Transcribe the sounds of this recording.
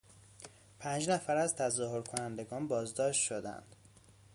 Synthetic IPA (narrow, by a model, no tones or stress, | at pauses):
pʰænd͡ʒnæfæɾæzt̪ʰæzɒːɦoɾkʰo̞nænd̪e̞ɡɒːnbɒːzd̪ɒːʃt̪ʃod̪æ̰nd̪̥